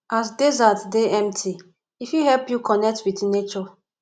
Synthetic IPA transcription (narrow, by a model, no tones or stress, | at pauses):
asdezatdeɛ̃mtʰi | ifjuɦɛlpjukɔnɛk̚twitnet͡ʃɔ